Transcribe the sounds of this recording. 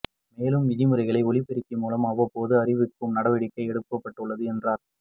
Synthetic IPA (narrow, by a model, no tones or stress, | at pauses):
meːlɯmːɪðɪmɯrɐɪɣɐɭɐɪɔɭɪpɛɾɪkːɯmuːlɐmɐʋɐpːoːðɯɐrɪʋɯkːɯmnɐɽɐʋɪɽɪkːɐɪɛɽɯpːɐpːɐʈːɯɭːɐðɯɛndraːɾ